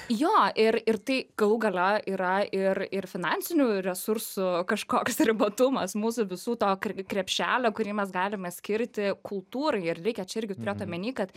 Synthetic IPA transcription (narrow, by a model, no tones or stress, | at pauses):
joːʔɪrɪrt̪ɐɪɡ̥ɐlˠuːɡɐlʲoʔiːɾɐɪrɪrfʲɪnɑnʲt͡ssʲɪnʲuːɾʲɛsʊɾsʊkɐʃkoːksɾʲɪbɐt̪ʊmɐsmuːsʊʋʲɪsuːt̪oːkʲkɾʲɛpʲʃʲæːlʲoːkʊɾʲiːmʲɛs̬ɡɑːlʲɪmɛsʲkʲɪɾʲt̪ʲɪkʰʊlˠt̪uːɾɐɪɪrrʲɛɪkʲɛt͡ʃʲɛɪrʲɡʲɪt̪ʊɾʲeːt̪oːmʲɛnʲiːkɐt̪